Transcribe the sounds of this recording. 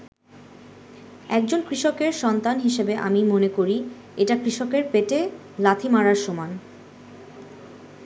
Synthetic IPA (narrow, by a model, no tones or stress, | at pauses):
ɛk̚d͡ʑonkɾiʃokeɾʃɔnt̪anɦiʃebeʔa̰mimonekoɾi | eʈakɾiʃokeɾpeʈe | lat̪ʰimaɾaɾʃoman